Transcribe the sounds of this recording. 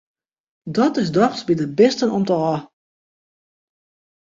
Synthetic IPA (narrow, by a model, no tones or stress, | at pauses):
dɔtɪsdɔχsbidəbɪstənɔmtəɔ